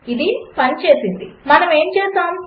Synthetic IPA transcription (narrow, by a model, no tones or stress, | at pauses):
id̪ipɐnt͡ʃe̞ːsind̪imɐnɐme̞ːmt͡ʃɛːst̪aːm